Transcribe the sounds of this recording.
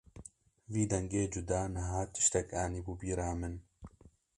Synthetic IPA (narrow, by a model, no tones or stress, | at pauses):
viːd̪ɐŋɡeːd͡ʒud̪aːnɐɦaːt̪ɪ̥ʃt̪ɐkaːniːbubiːɾaːmɨn